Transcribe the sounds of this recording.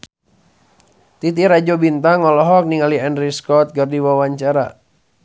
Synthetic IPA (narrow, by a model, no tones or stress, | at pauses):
t̪it̪iɾad͡ʒobint̪aŋɔlɔɦɔk̚niŋaliɛndɾiskɔt̪̚ɡardiwawaɲt͡ʃaɾa̰